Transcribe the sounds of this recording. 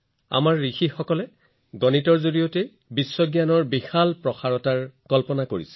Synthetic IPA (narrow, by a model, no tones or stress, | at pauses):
a̰maɹːixixɔkɔlɛ | ɡɔnitɔɹzoɹijɔte | bisːɔɡjanɔɹbixalpɹɔxaɹɔtaɹkɔlpɔnakoɹḭsɛ̥